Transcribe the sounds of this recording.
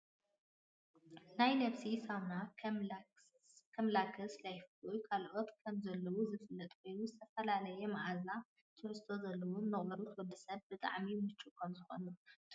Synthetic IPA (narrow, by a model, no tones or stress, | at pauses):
najnɐβsisawna | kʰɐmlakʰɐslajɪfɨlujkʰalʔo̞t̪kʰɐmzɐlːɐwuzɨfɨlːɐt̪ʼkʰo̞jnuzɨt̪ʰɐfɐlalɐjɛmɐʔaza | t̪ʰɨʕɨst̪ʰo̞zɐlːɐwunːɨχʼɐɾut̪ʰwɔd̪ɨsɐβbɨt̪ʼa̰ʕmimɨt͡ʃʼːukʰɐmzɨxo̰nu